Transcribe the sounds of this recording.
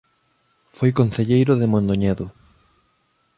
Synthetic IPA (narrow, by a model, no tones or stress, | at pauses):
fojkonθeʎejɾʊðɪmõnd̪oɲɛðʊ